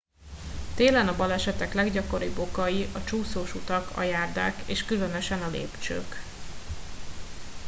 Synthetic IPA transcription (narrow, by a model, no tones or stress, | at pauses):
t̪eːlɛnɒbɒlɛʃɛt̪ɛklɛɡɟɒko̞ɾiːbːo̞kɒjiʔɒt͡ʃuːsoːʃut̪ɒkɒ̰jaːrd̪a̰ːkeːʃkylø̞nø̞ʃɛnɒlḛːpt͡ʃø̰ːk